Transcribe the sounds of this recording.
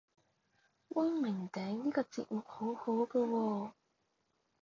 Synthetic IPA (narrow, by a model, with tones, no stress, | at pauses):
wʔɐ˥nmɪ˨˩ŋt̪ɛː˨˥ŋniː˥kɔː˧t͡sḭ˨t̚mʊ˨k̚ho˨˥who˨˥wkɐː˧wɔː˧